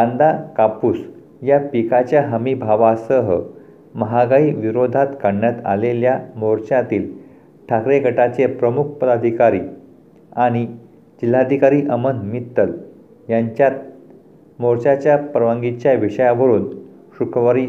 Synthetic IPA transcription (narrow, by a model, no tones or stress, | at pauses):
ɡãnd̪akapuːs | japikat͡ɕjaɦəmibʱaʋasəɦə | məɦaɡaiːʋiɾod̪ʱat̪kaɳːat̪a̰leljamoɾt͡ɕat̪iːl | ʈʰakɾeɡʱəʈat͡sepɾəmuk̚ʰpəd̪ad̪ʱikaɾiː | aɽ̃i | d͡ʑil̤ːad̪ʱikaɾiːʔəmənmit̪ːəl | jaɲt͡ɕat̪ | moɾt͡ɕat͡ɕjapɾəʋãŋɡit͡ɕjaʋiʂəjaʋəɾuːn | ɕukʰəʋaɾi